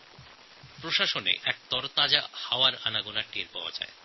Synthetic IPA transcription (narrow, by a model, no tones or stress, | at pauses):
pɾoʃaʃonḛʔɛk̚t̪ɔɾt̪ad͡ʑahaoaɾanaɡunaʈeɾpaoa̰d͡ʑa̰e